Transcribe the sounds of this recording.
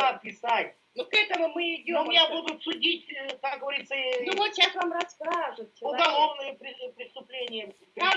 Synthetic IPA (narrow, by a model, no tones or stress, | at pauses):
ɐt̪̚pʲɪsajʲ | nʊkɛt̪əmʊmɨɪdʲomjʲabud̪ʊt̪sʊdʲitʲkak̚ɡəvɐɾʲit̪sənʊvot̪ɕasvamrɐskaʐɨt̪̚t͡ɕɪʊɐɡɐlˠo̞vnɨjəpɾʲɪpɾʲɪst̪ʊplʲenʲɪjə | a